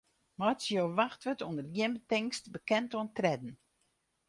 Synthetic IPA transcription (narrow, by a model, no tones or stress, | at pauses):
mɔtsjoːʋaxtʋətundərjɪənbətɪŋstbəkɛntoəntrɛdn̩